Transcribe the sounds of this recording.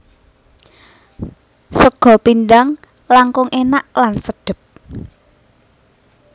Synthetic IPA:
səɡ̥ɔ̤pind̪aŋ | laŋkʊŋʔenaʔlansəɖ̪̥ə̤p̚

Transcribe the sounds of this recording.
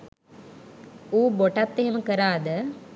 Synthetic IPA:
uːboʈat̪ːeɦeməkəɾaːd̪ə

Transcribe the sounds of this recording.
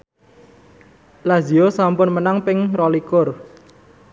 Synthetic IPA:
laziosampʊnmənaŋpɪŋrɔlikʊr

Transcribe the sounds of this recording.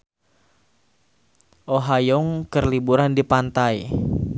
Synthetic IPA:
ʔoɦajɔŋkərlibuɾandipant̪ai

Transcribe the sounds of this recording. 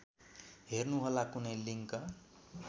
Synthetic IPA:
ɦernuɦʌlakunʌjliŋkʌ

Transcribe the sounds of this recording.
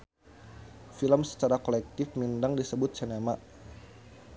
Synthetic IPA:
filəmsə̥t͡ʃaɾakolɛk̚t̪ɪfmindaŋdisəbʊt̪̚sənamaʔ

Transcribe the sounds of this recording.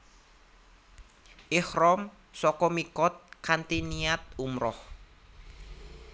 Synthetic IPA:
ʔɪhrɔm | sɔkɔmikɔt̪̚kant̪iniat̪̚umɾɔh

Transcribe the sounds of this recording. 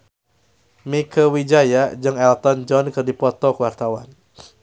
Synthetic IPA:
mikəwid͡ʒajad͡ʒɨŋɛlt̪ɔnd͡ʒɔnkɨrdipɔt̪ɔkəwart̪awa̰n

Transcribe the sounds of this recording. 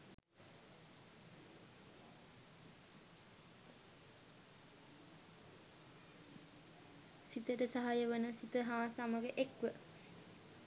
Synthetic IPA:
sit̪əʈəsaɦajəʋənəsit̪əɦaːsamaɡeʔekʋə

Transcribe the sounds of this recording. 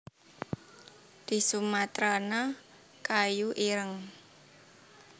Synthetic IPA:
d̪̥i̤sumat̪ɾana | kajuʔiɾəŋ

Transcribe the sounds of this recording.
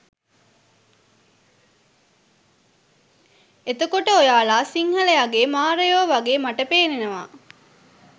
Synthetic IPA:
et̪əkoʈəojaːlaːsiŋhɐlejaɡeːmaːɾejoːʋɐɡeːmɐʈɐpeːnenɐʋa̰ː

